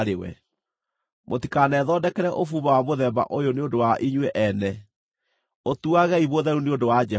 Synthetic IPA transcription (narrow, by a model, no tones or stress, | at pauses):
ɾewɛ̰ | mʔotikanɛːðɔːdɛkɛɾɛʔofuːβawamoðɛba̰ʔojoneondowaʔiɲwɛʔɛnɛ | otuaɣɛiβoðɛɾuneodowad͡ʒɛ